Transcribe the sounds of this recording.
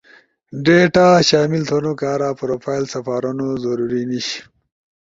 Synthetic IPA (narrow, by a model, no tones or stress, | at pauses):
ɖeʈaɕaːmilt̪ʰonokaːɾaːpɾoːfaːilsɐfaːɾunozɐɾuɾiniɕ